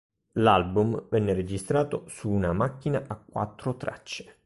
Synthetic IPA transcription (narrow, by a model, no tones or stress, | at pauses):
lalbumvɛnːeɾed͡ʒist̪ɾaːt̪osuːnamakːinaʔakːwa̰t̪ːɾot̪ɾa̰t͡ʃːe̥